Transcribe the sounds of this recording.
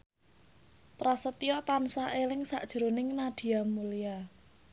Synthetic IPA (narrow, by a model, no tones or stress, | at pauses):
pɾasət̪iɔt̪ansaʔelɪŋsa̰ʔd̥ʒ̥ɾonɪŋnad̥i̤amulia